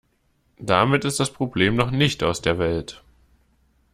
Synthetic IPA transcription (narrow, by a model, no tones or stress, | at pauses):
d̥amɪtɪst̚d̥aspʁ̥obleːmnɔχnɪçtaʊsd̥eːɐvɛlt